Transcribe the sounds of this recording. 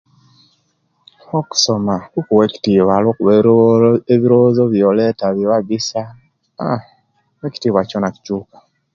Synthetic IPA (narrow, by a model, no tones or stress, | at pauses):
oku̥so̞makukuweki̥tiβalwoːkuβe | eβiɾozoβjoletaβjoβaɡisa | eci̥tiːβwaconaki̥t͡ʃuːkḁ